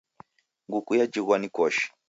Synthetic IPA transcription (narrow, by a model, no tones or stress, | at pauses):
ŋɡukujad͡ʒiɣwanikɔʃi̥